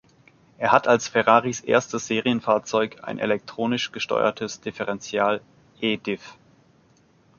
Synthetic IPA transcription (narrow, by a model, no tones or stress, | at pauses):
ʔeːɐhatʰalsfɛʁaːʁisʔḛːɐstəz̥eːʁiənfaːɐt͡sɔʏka̰ɪnʔḛlɛk̚tʁ̥oːnɪʃɡ̥əʃtɔ̰ʏɐ̰tʰəsd̥ɪfɛʁɛnt͡sjaːl | ʔeːdɪf